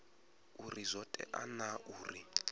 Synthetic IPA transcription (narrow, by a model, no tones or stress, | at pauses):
urizʷɔtʼɛ̰ʔanauːri